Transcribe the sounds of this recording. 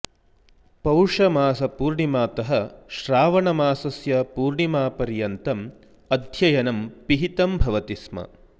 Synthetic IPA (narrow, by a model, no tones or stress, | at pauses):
pɐwʂɐmaːsɐpuːɾɳimaːt̪ɐɦɐʃɾaːʋɐɳɐmaːsɐsjɐpuːɾɳimaːpɐɾjɐnt̪ɐm | ɐd̪ʱjɐjɐnɐmpiɦit̪ɐmbʱɐʋɐt̪ismɐ̰